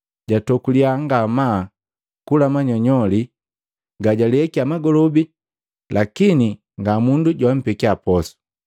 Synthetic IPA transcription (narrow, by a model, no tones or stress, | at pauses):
ɟatɔkuliaŋɡama | kulamaɲɔɲɔli | ɡaɟaliɛkiamaɡɔlɔbi | lʔakini | ŋɡamunduɟwam̩pɛkiapɔsu̥